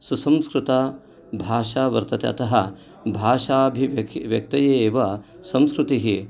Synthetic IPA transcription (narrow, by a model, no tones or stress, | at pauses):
susɐ̃mskɾut̪a | bʱaːʂaːʋɐ̰ɾt̪ɐt̪eɐt̪ɐɦɐ | bʱaːʃaːbʱiʋjɐk̚t̪ɐjeːʋɐ | sɐ̃mskɾut̪iɦi